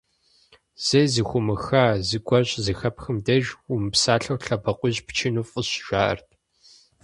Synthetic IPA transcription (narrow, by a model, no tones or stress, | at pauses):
z̥ɐjzɨxʷʊmɨxaːzɨɡʷɔɕʼzɨxɐpxɨmdɐʒʊmɨpsaːɬɐwɬɐbɐqʷʊʑpt͡ʃʰɪnufʼʊɕʒ̥ʷaːʔɐ̰rtʰʼ